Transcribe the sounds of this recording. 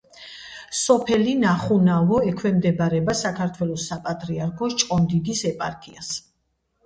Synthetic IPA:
sɔpʰɛlinaχunavɔɛkʰwɛmd̪ɛbaɾɛbasakʰaɾt̪ʰwɛlˠɔsːapʼat̪ʼɾiaɾkʰɔt͡ʃʼqʼɔnd̪id̪isɛpʼaɾkʰias

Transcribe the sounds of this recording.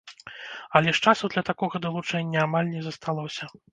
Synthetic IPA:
ɐlʲɛʂt͡ʂasuwd̪lʲɐt̪akɔɣɐd̪ɐlˠut͡ʂɛnʲːɐamalʲnʲɛzɐst̪alˠɔsʲɐ

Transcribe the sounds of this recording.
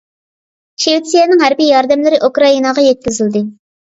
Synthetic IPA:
ʃeut̪sijɛnɪŋɦæɾbijɑɾd̪ɛmlɪɾɪʔukɾɑinɑʁɑjɛt̪̚kʲizɪld̪ɪ

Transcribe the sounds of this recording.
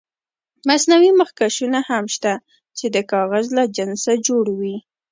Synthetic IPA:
masnawiməxkaʃunahamʃt̪a | t͡ʃed̪əkɑɣazlad͡ʒɪnsad͡ʒoɽwi

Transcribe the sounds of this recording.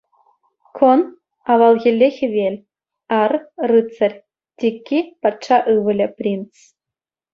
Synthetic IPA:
kʰon | ɑʋɑlˠɣʲĕlʲːexʲɘ̆ʋʲelʲ | ɑrrɨt͡sə̆rʲ | t̪ʲikʲːipɑtʂɑʔɯʋɘ̆lʲɘ̆pʲrʲint͡s

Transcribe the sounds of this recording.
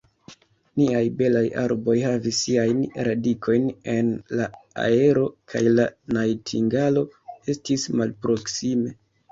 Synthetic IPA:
niajbe̞laja̰ɾbo̞jhavisːiajnɾadikʰo̞jne̞nlaa̰e̞ɾo̞kʰajlanajtʰiŋɡalo̞e̞stismalpɾo̞ksime̞

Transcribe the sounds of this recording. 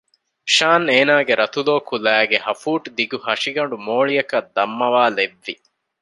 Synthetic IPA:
ʃaːneːnaːɡeɾɐt̪uloːkulæːɡehɐfuːʈd̪iɡuhɐʂiɡɐɳ̆ɖumoːɭijɐkɐd̪ːɐmːɐʋaːleʋːi

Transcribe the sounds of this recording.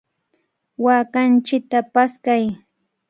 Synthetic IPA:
waːkant͡ʃɪk̚t̪apaskaj

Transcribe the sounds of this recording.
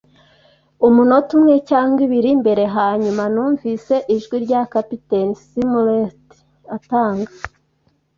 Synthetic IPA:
umuno̞tumŋecaːŋɡiβiɾimbe̞ɾe̞ɦaːɲumanuːɱvise̞ʔiʒɡwiɾɟakapitenisimulet | ataːŋɡa

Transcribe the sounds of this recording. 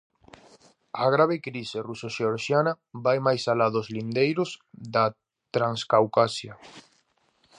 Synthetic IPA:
aɣ̞ɾaβ̞ekɾiserusoʃeoɾʃjanɐ | bajmajsalaðozlind̪ejɾʊsða | t̪ɾaŋskawkasja

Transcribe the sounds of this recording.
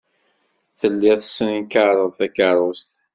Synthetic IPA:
θəlːɪθə̥snikaɾˤəðˤθækəɾˤost̪

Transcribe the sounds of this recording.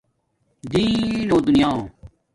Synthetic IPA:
d̪iːnoːd̪ʊnɪjãː

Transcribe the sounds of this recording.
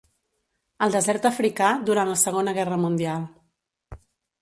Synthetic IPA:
əlˠd̪əzɛɾt̪əfɾikad̪uɾanləsəɣonəɣɛrəmund̪ialˠ

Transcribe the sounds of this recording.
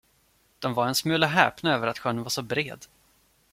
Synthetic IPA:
d̪̥ɔmvaɾɛnsmʉːlaɦɛ̰ːpnaøːvəɾat̪ɧœnənvaʂɔbɾḛːd̪

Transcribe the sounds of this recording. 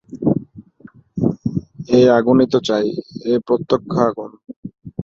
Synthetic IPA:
eaɡunit̪ot͡ɕajepɾot̪ːokʰːaaɡun

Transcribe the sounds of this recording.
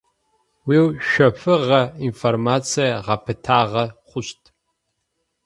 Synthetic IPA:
wiːwʃʷᶣɐpʰɨʁɐinformat͡sʰijaʁɐpʰɨtʰaːʁɐχʷʊɕtʰʼ

